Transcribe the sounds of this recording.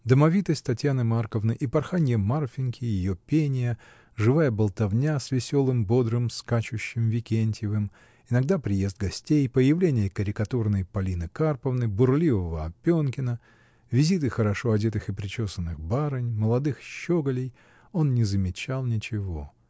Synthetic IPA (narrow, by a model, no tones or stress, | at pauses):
d̪əmɐvʲit̪əsʲtʲt̪ɐtʲjanɨmarkəvnɨjʔipɐrxanʲjəmarfʲɪnkʲʰɪjɪjopʲenʲɪjə | ʐɨvajəbəlˠt̪ɐvnʲasʲvʲɪsʲo̞lˠɨmbo̞d̪ɾɨmskat͡ɕʊɕːɪmvʲɪkʲenʲtʲjɪvɨm | ɪnɐɡ̚d̪apɾʲɪjezd̪̚ɡɐsʲtʲejpəjɪvlʲenʲɪjəkəɾʲɪkɐt̪urnəjpɐlʲinɨkarpəvnɨbʊrlʲivəvəɐpʲːonkʲɪnə | vʲɪzʲit̪̬ɨxəɾɐʂo̞ɐdʲet̪ɨxɨpɾʲɪt͡ɕo̞sənːɨxbaɾɨnʲməlˠɐd̪ɨxɕːoɡəlʲɪj | o̞nnʲɪzəmʲɪt͡ɕalˠnʲɪt͡ɕɪvo̞